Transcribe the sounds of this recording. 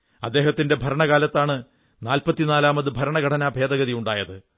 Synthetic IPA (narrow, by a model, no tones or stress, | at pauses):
ɐd̪ːeːɦɐt̪ːinde̞bʱɐɾɐɳɐɣaːlɐt̪ːaːɳɨ | naːlpɐt̪ːinaːlaːmɐðɨbʱɐɾɐɳɐɡʱɐʈʰɐnaːbʱeːd̪ɐɡɐðiuɳɖaːjɐðɨ